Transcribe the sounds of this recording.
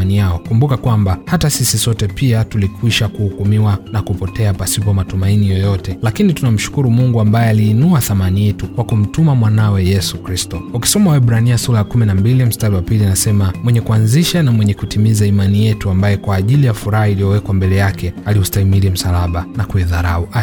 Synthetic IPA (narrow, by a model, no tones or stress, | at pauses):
anijaɔkumbukakwambahatasisisɔtɛpiatulikwiʃakuhukumiwanakupɔtɛapasipɔmatumainijɔjɔtɛlakinitunam̩ʃu̥kuɾumuŋɡuambajɛaliːnuaθamanijɛtukwakum̩tumamwanawɛjɛsukɾistɔuki̥sɔmawɛbɾaniasulajakuminambilim̩staɾiwapilianasɛmamwɛɲɛkuanziʃanamwɛɲɛkutimizaimanijɛtuambajɛkwaːʄilijafuɾahailijɔwɛkwambɛlɛjakʰɛaliustaimiɾim̩salaɓanakuiðaɾaua